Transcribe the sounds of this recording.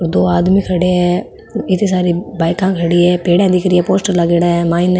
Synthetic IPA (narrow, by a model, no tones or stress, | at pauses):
ɔɾd̪oːaːd̪mikʰəɽeɛː | ɪt̪ĩsaːɾibaːɪkãːkʰəɽiɛːpeːɽɛ̃ːd̪ɪkəɾiɛːpoːsʈəɾlaɡeːɽaɦɛmaːɪn